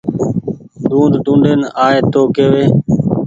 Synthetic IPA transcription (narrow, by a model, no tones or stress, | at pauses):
ɖũːnd̪ɖũːɳɖeːnaːeːt̪oːkeːʋeː